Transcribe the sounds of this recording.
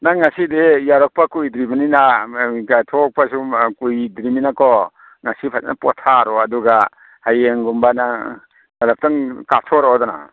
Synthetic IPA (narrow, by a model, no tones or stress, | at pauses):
naŋːasidejaɾɔk̚pakujdɾimaninakatʰɔk̚pasukujdɾiminakɔ | ŋasipʰatnapɔtʰaɾɔaduɡa | hajeŋɡumbana | alap̚taŋkatʰɔɾɔdɔna̰